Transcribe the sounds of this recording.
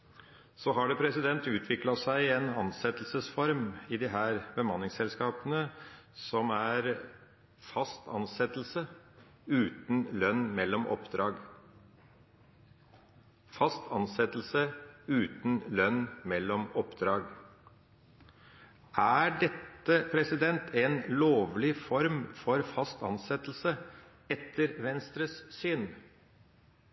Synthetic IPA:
soːɦɑɖɛpʰɾɛsɪd̪ɛnt̪ʉːt̪ʰʋɪklɑsæɪɛnɑnsɛt̪l̩səsfɔɾmɪd̪ɪɦæːɾbəmɑnːɪŋsɛlskɑːpənə | sɔmæɾ | fɑst̪ɑ̰nsɛt̪l̩sə | ʉːt̪n̩lœnːmɛlːɔmʔɔ̰pd̪ɾɑːɡ | fɑst̪ʰɑnsɛt̪l̩səʉːt̪n̩lœnmɛlːɔmɔpd̪ɾɑːɡ | ʔæːɖɛt̪ːəpʰɾɛsɪd̪ɛnt̪ʰɛnloːʋlɪfɔɾmfɔɾfɑst̪ɑ̰nsɛt̪l̩sə | ɛt̪ʰːəɾʋɛnst̪ɾəssyːn

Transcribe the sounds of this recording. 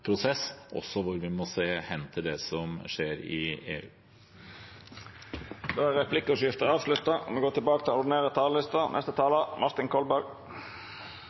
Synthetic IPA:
pʰɾʊsɛsʔɔ̰sːɔʋʊɾʋɪmɔseːhɛnt̪ʰɪld̪ɛsɔmʂeːɾɪ̰ḛːʉː | d̪oːæɾɾɛpʰlɪkːəɔʂɪft̪əɑːʋʂlʉt̪ɑ̰mɛɡoːʈ̪ɪlbɑːkət̪ɪlʊɖ̪ɪneːʁət̪ʰɑːləlɪst̪ənɛ̰st̪ət̪ʰɑːlɑmʔɑɾt̪ɪŋkʰɔlbæɾɡ

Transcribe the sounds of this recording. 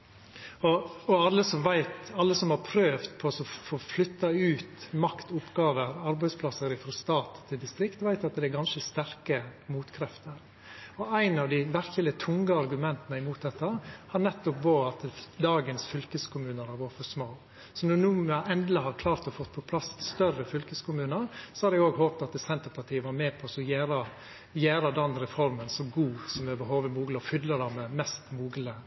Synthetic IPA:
ɔɔɑlːəsɔmʋæɪt̪ɑlːəsɔmhɑɾpʰɾøːʋt̪pʰɔsɔfoːflʏt̪ːɑʉːt̪mɑkt̪ʊpːɡɑːʋəɾɑɾbæɪspʰlɑsəɾɪfɾɔst̪ɑːt̪ʰːɪld̪ɪst̪ɾɪkt̪ʋæɪt̪ɑt̪d̪ɛɛɾɡɑnʃəst̪æɾkəmuːt̪kʰɾɛft̪əɾ | ɔæɪnɑʋd̪ɪʋæɾkəlɪt̪ʰʊŋɡəɑɾɡʉmɛnt̪ənəɪmuːt̪̚d̪ɛt̪ːəhɑɾnɛt̪ːɔp̚boːɑt̪d̪ɑːɡənsfʏlkəskʰʊmʉːnəɾhɑɾʋɔːɾfɔsmoː | sɔnɔnuːməʔɛnd̪ləɦɑɾkʰlɑːɾt̪ɔfɔt̪ːpʰɔpʰlɑsst̪œrəfʏlkəskʰʊmʉːnəɾsɔhɑɾɛɡoːɡɦoːpt̪ɑt̪̚ɛsɛnt̪əɾpʰɑʈʰiːəʋɑɾmɛːpʰɔsɔjæːɾɑ | jæːɾɑd̪ɛnɾɛfɔɾmənsɔɡuːsɔmɛbəɦoːʋəmuːɡləɔfʏd̪ləd̪ɑmɛmɛst̪muːɡlə

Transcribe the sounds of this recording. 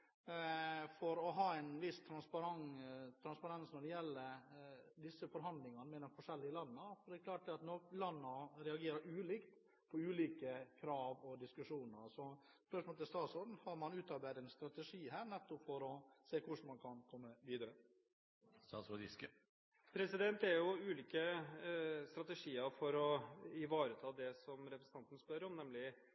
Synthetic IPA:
fɔɾɔɦɑːɛɪnʋɪst̪ʰɾɑnspɑɾɑŋt̪ʰɾɑnspɑɾɑnsnɔɖɛjɛlːəɾd̪ɪsːəfɔɾɦɑnd̪lɪŋɑnəmɛd̪ɛnfɔʂɛlːɪəlɑnːəfɔɖ̪ɛɛɾkʰlɑːʈ̚d̪ɛɑt̪nɔlɑnːəɾɛɑɡeːɾəɾʉːliːkt̪ | pʰɔʉːliːkəkʰɾɑːʋɔd̪ɪskʉʂuːnəɾsɔ | spœɾʂmɔlt̪ʰɪlst̪ɑːsɔɾd̪n̩hɑɾmɑnʉːt̪ɑbæːɾəɛnst̪ɾɑt̪əʂiːɦæːɾnɛt̪ːʊpfɔɾɔseːkʰʊʂmɑnkʰɑnkʰɔmːəʋiːd̪əɾə | st̪ɑ̰ːsɔd̪ɪ̰skə | pʰɾɛsɪd̪ɛnt̪æɾjʊʉːliːkə | st̪ɾɑt̪ɛʂiːəɾfɔɾɔɪʋɑːɾət̪ʰɑːd̪ɛsɔmɾɛpɾəsn̩ɑnt̪ənspœɾɔmnɛmlɪ

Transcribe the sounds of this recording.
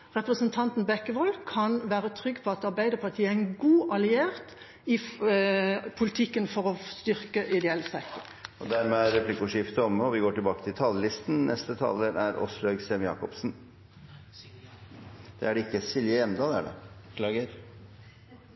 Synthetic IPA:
ʁɛpʁəsənt̪ʰɑnt̪n̩bɛkːəʋɔlkʰɑnʋæːɾət̪ʰʁʏɡːpʰɔɑt̪ɑɾbæɪd̪əpʰɑt̪ʰiːəæɪnɡuːʔɑlɪeːʁt̪ | ɪ | pʰʊlɪt̪ʰɪkːənfɔʁɔst̪ʏɾkəʔɪd̪ɛɛlːsɛkt̪ʊɾɔd̪æɾmɛæɾɾɛpʰlɪkʊʂɪft̪əɔməɔʋɪɡoːʈɪlbɑːkət̪ʰɪlt̪ʰɑlːəlɪst̪nnʔɛst̪ət̪ʰɑ̰ːlːəɾæɾɔ̰sløɡsɛmjɑ̰ːkɔpsn | d̪̥ɛ̰æɖɛɪkːəsɪljəjɛmd̪ɑd̪æ̰ɖɛ̰ɡə

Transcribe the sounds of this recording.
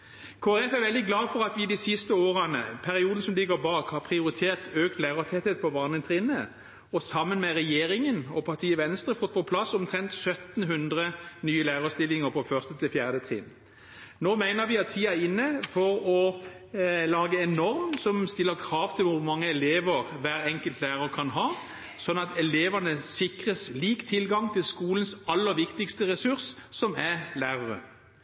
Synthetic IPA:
kʰoːɛʁɛfæʁɾʋɛld̪ɪɡlɑːdfɔɾɑt̪ʋɪd̪isɪst̪əoːɾənə̰pʰæɾɪuːd̪ən̩sɔmlɪɡəɾbɑːkhɑpʰɾɪʊɾɪt̪ʰeːʁt̪øːkt̪læɪʁət̪ʰɛt̪hət̪̚pʰɔbɑːʁnət̪ʰʁiːnə | ɔsɑmːənmɛʁɛjeːɾɪŋənɔpʰɑʁt̪ʰiːəʋɛnst̪ʁəfɔt̪̚ːpʰɔpʰlɑsːɔmt̪ʰʁɛnt̪sœt̪n̩ɦʉnd̪ʁənyːəlæːʁəst̪ɪlːɪŋəʁpʰɔfœʁst̪ət̪ʰɪlfjæːʁd̪ət̪ʰʁɪ̰ːn | noːmæɪnəɾʋɪɑt̪ʰːiːæɾɪnːəfɔɾɔ | lɑːɡəɛnɔɾmsɔmst̪ɪlːəʁkʰʁɑːʋt̪ʰɪlʋʊmɑŋːəɛleːʋəʁʋæːʁɛŋkəlt̪læːʁəʁkʰɑnɦɑː | sɔnːɑt̪ɛleːʋɑnəsɪkʁəsliːkt̪ʰɪlɡɑŋt̪ʰɪlskuːlənsɑlːəʋɪkt̪ɪkst̪əʁɛsʉʁsːɔmælæːʁɑʁə̰

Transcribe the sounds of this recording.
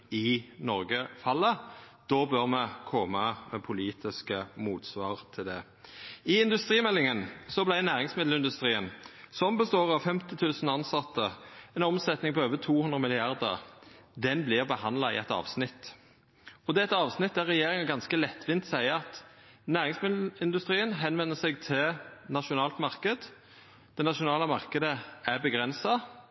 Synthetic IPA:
ɪnɔɾɡəfɑlːəd̪̥ɔbøʁmɛkʰɔmɑmɛpʰʊliːt̪ɪskəmuːt̪sʋɑːʁt̪ʰɪld̪ɛ | ɪɪnd̪ʉst̪ʁiːmɛlːɪŋənsɔblæɪnæːʁɪŋsmɪd̪l̩ɪnd̪ʉst̪ʁiːənsɔmbəst̪oːʁɑʋfɛmt̪ɪt̪ʰʉːsn̩ɑnsɑt̪ːəɛnɔmsɛt̪nɪŋpɔøːʋət̪ʰuːhʉnd̪ʁəmɪlɪɑʁd̪ə̰ʁd̪ɛnblɪʁbəhɑnd̪lɑɪ̰ɛ̰t̪ɑ̰ːʋsnɪt̪ | ɔd̪ɛɛt̪ɑːʋsnɪt̪̚d̪æʁɛjeːʁɪŋɑɡɑnskəlɛt̪ʰːʋɪnt̪sæɪəɑt̪næːʁɪŋsmɪd̪l̩ɪnd̪ʉst̪ʁiːənɦɛnʋɛnːəsɛɡt̪ʰɪlnɑʃʊnɑːlt̪mɑʁkəd̪ | d̪̥ɛnɑʃʊnɑːləmɑʁkəd̪əæʁbəɡʁɛnsɑ

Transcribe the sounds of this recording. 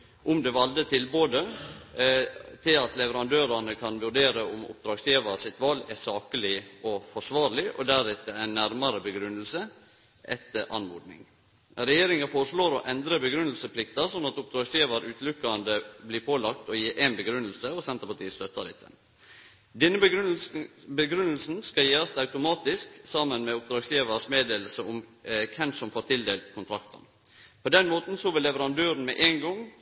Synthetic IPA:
ʔʊmd̪ɛʋɑld̪ət̪ʰɪlboːd̪ə | t̪ʰɪlɑt̪lɛʋəɾɑnd̪øːɾɑɳəkʰɑnʋʉɖeːɾəʊmʊ̰p̚d̪ɾɑːɡsjeːʋɑsɪt̪ʋɑlːɛsɑːkəlɪɔfɔʂʋɑːɾlɪʔɔ̰d̪æɾɛt̪ːəɛnnæɾmɑɾəbəɡɾʉnːəlsə | ʔɛ̰t̪əʔɑ̰nmuːd̪nɪ̰ŋ | ɾɛjeːɾɪŋəfoːɾəʂɭoːɾɔʔɛnd̪ɾəbəɡɾʉnəlsəpʰlɪkt̪ɑsɔnːɑt̪ʊp̚d̪ɾɑːɡsjeːʋɑɾʉːt̪lʉkːɑnd̪əbliːɾpʰoːlɑkt̪ɔjiːɾʔenbəɡɾʉnːəlsəɔsɛnt̪əɾpɑʈʰiːəst̪œt̪ːɑdɪt̪ːə̰n | d̪ɛnːə | bəɡɾʉnəl̩sn̩skɑjeːɾɑsɑʉt̪ʊmɑːt̪ɪsksɑmənmɛʊp̚d̪ɾɑːɡsjeːʋəsmeːd̪eːll̩səʊmkʰɛmsɔmfoːɾt̪ʰɪld̪eːlt̪kʰʊnt̪ʰɾɑkt̪ə̰n | pʰod̪ɛnmoːt̪n̩sɔʋɪlːɛʋəɾɑnd̪øːɾənmɛʔeːŋɡɔŋ

